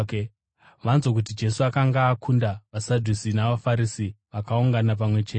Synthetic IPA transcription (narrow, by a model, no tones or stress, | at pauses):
ʋanzo̞k̬ut̬id͡ʒe̞suakaŋɡaːkʰundaʋasadʱusinaʋafaɾisiʋakauŋɡanap̬amwe̞t͡ʃee